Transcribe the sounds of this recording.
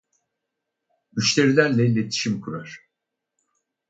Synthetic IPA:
yʃlʲe̞ɾilʲæɾlʲɛilʲet̪ʰi̥ʃimkʰuɾaɾ̥

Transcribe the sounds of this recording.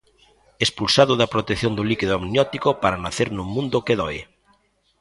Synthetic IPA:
espulsaðʊðɐpɾot̪ekθjond̪olikiðʊamnjɔt̪ikopaɾanaθeɾnumːũnd̪okeðɔe

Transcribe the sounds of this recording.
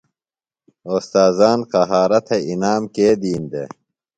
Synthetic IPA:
oːst̪aːzaːnqɐɦaːɾɐt̪ʰeinaːmkeːd̪iːnd̪ḛ

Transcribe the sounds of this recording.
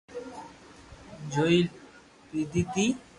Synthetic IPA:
d͡ʑojl | pɾid̪it̪i

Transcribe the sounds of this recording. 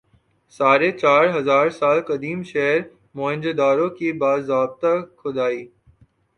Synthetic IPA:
saːɾeːt͡ʃaːɾɦɐzaːɾsaːlkəd̪iːmʃeɦɾ | moːɪ̃nd͡ʒed̪aːɾõːkiːbaːzaːb̚t̪akʰʊd̪aːiː

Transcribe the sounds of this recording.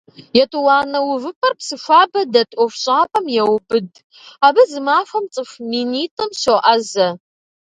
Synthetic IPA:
jɛtʼuwɑːnɐwʊvɨpʰɐrpsɨfʷaːbɐdɐtʼɔfɕʼaːpʼɐmjɛwbʼɨd | aːbɐzɨmaːfɐmt͡sʼɨfmiːniːtʼɨmɕoʔɐzɐ

